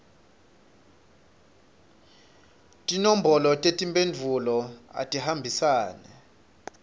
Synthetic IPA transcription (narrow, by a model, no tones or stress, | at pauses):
tʼinom̩bʱɔlɔtʼetʼimpʼend͡vʱulɔa̰tʼihambʱisaːnɛ